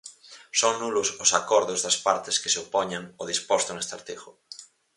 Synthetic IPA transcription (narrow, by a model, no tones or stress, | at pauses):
soŋnulʊsosakɔɾðʊzðɐspaɾt̪eske̥seopɔɲaŋoð̞ispɔst̪oŋest̪aɾt̪eɣʊ